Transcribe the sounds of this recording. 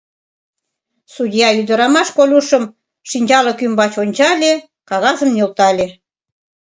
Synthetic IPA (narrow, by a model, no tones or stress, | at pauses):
sudʲjɑyd̪ə̆ɾɑmɑʃkolʲuʃəm | ʃinʲd͡ʑɑlə̆kymbɑt͡ɕonʲt͡ɕɑlʲe | kɑɣɑzə̆mnʲølt̪ɑlʲe